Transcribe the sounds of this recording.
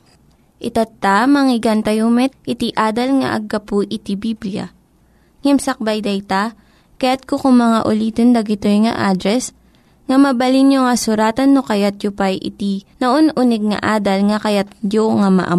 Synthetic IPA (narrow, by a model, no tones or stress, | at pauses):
ʔɪt̪at̪ːamɐŋɪɡant̪ɐjumɛt̪̚ɪt̪iʔaːd̪ɐlŋɐ̰ʔɐ̰ɡːɐpʊʔɪt̪ibiblijɐ̰ | ŋɛmsɐk̚bajd̪ɐjt̪a | kɐjat̪̚kokʊŋmɐŋa̰ʔʊliːt̪ond̪ɐɡɪt̪ojŋɐ̰ʔaːd̪ɾɛs | ŋɐmɐbɐlinjoŋɐsʊɾaːt̪ɐnːokɐjat̪̚jʊpajʔɪ̰t̪inɐʔonʔunɛɡ̚ŋɐ̰ʔaːd̪ɐlŋɐkɐjat̪̚d͡ʒoŋamɐ̰ʔɐ̰